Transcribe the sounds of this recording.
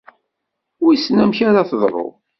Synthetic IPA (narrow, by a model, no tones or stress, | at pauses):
ʊɾisnæmçaɾaθðˤɾˤo̰